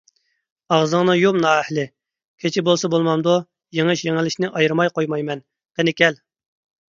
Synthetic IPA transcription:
ɑʁzəŋnɨjomnɑːɛhlɪ | kʲʰet͡ʃʰɪbolˠsɑbolˠmɑmd̪u | jeŋɨʃjeŋɪlɪʃnɪʔɑjɾmɑjqojmɑjmɛn | qenɪkʲɛl

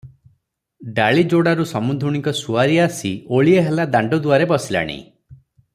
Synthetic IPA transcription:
ɖaɭid͡ʒoɽaɾusɔmund̪ʱuɽ̃ikɔsuaɾiasioɭieɦelad̪aɳɖɔd̪uaɾebɔsila̰ɽ̃ḭ

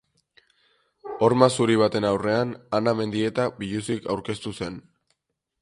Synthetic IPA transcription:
o̞ɾmasuɾiβ̞at̪e̞nawre̞ananame̞nd̪ie̞t̪abiʎusikawɾke̞st̪use̞n

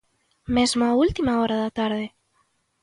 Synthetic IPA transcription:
mezmoault̪imaoɾaðat̪aɾð̞e

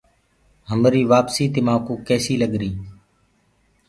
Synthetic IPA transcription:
ɦəmɾiːʋaːpsiːt̪ɪmãːkuːkɛːsiːləɠɾiː

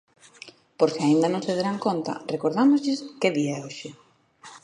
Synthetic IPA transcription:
poɾskɪaind̪ɐnõŋseðeɾaŋkont̪ɐ̰rekoɾðamozʎɪskeðiaɛoʃɪ

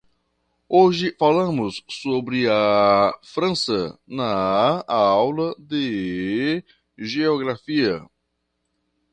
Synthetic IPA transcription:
oʒɪfalɐ̃mʊsːobɾɪɐfɾɐ̃sɐnɐ | awlɐd̪ɪ | ʒeoɡɾafiɐ

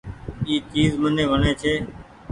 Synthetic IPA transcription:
iːt͡ʃiːzmənẽːʋəɳeːt͡ʃʰeː

